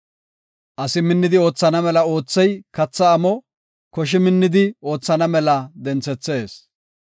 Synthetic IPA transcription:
ʔɐsɪmɪnːɪd̪ɪo̞ːt͡sːɐnɐmɛlɐo̞ːt͡sːɛjkɐt͡sːɐːmɔ | kɔʃ̬ɪmɪnːɪd̪ɪo̞ːt͡sːɐnɐmɛlɐd̪ɛnt͡sːɛt͡sːeːs

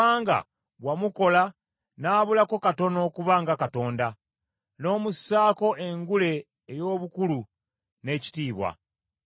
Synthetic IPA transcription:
aːŋɡa̰ | βwamuko̞la | naːβulako̞kato̞no̞ːkuβaːŋɡakato̞ːnda | no̞ːmusaːko̞ʔeŋɡule̞ː | jo̞ːβukulu | ne̞ːci̥tiːβwa̰

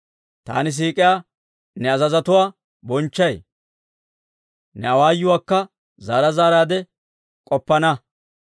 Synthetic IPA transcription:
t̪a̰ːnɪs̬iːkʼɪjaː | nɛɐzɐzɐt̪ʊwaː | bɔnt͡ʃːɐj | nɛɐwaːjːʊwaːkːɐ | zaːɾɐzaːɾaːd̪ɛ | kʼɔpːɐnɐ

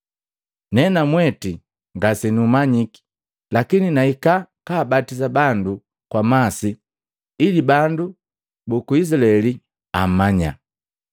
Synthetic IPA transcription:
nɛnamwɛti | ŋɡasɛnuːmaɲiki̥ | lakininaikakaːbatizabandu | kwamasi | ilibandu | bɔkuis̬ilaɛli | a̰maɲa̰

